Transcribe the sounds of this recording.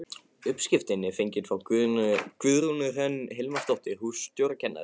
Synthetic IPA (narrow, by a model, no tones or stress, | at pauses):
ʏpscɪft̪ɪnːɪfejɲcɪnfɾawkkvʏðɾunʏœnːɦelmast̪ɔwht̪ɪhust̪jowɾacʰɛnːa̰ð